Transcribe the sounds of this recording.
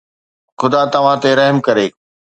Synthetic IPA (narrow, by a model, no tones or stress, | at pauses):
xʊd̪at̪ɐʋ̤ãt̪eɾɐɦmkɐɾeː